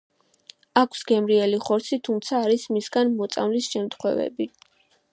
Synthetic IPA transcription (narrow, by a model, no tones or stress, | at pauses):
akʰsɡɛmɾiɛliχɔɾt̪sʰit̪ʰumt̪sʰaːɾismisɡanmɔt̪sʼa̰mlisʃɛmt̪ʰχwɛ̰vɛ̰bi